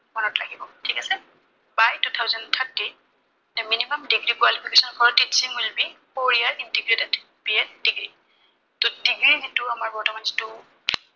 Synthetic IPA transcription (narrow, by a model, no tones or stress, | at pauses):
mɔnɔtlaɡibɔtʰikasɛ | bajtut̪ʰawzɔnt̪ʰəɹti | nɛminimamdiɡɹikwalipʰikesɔnfʰɔɹtitsiŋwilbipoɹiaɹintiɡɹidɛd | piɛdiɡɹi | todiɡɹiɦetuamaɹbɔɹtɔmanzitu